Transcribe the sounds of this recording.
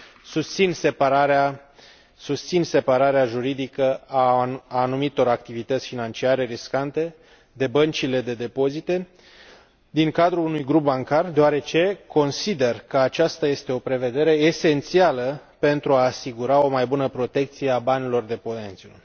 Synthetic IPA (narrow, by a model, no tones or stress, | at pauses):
sust̪sinsepaɾaɾa | sust̪sinse̞paɾaɾeaʒuɾid̪ikəaanumit̪o̞ɾak̚t̪ivit̪ət̪sʲfinant͡ʃiaɾe̞ɾiskant̪e̞ | d̪e̞bənt͡ʃile̞d̪e̞d̪e̞po̞zit̪e̞ | d̪iŋkad̪ɾuunujɡɾup̚baŋkard̪eoaɾe̞t͡ʃe̞ko̞nsid̪e̞rkəat͡ʃast̪aje̞st̪e̞o̞pɾe̞ve̞d̪e̞ɾe̞ːse̞nt̪sialəpe̞nt̪ɾuaːsiɡuɾao̞majbunəpɾo̞t̪e̞k̚t̪sije̞abanilo̞rd̪e̞po̞nent̪sʲu